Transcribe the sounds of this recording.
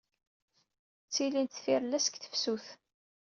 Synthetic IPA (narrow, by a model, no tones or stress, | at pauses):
t͡sːilint̪θfiɾlæsə̥kθə̥fsuθ